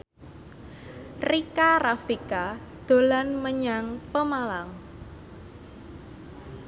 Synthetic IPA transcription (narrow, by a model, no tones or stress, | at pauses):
rikarafika | d̪̥o̤lanməɲaŋpəmalaŋ